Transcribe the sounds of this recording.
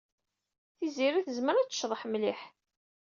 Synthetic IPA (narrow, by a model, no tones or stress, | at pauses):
θiziɾiθəzməɾæt͡sːə̥ʃðˤəħmliħ